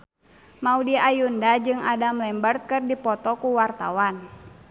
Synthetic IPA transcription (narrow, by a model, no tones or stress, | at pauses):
maudiajundad͡ʒɨŋadamlɛmbərt̪̚kɨrdipɔt̪ɔkuwart̪a̰wan